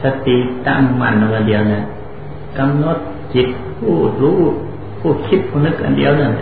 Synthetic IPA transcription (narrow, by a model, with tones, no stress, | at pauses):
sa˧t̪i˧˨t̪a̰˧˨ŋma̰˧˩˨nla˧ʔa˧ndi˧˨ə˧wna˧˩˨n | ka˧mno˧˥t̪̚ | t͡ɕi˧˦˥t̪̚ | pʰuː˧˥˩luː˧˥ | pʰuː˧˩kʰi˧˥p̪̚pʰuː˧˩nɯ˧˥k̚ʔa̰˧˨ndḭ˧˨əwna˧˩˨n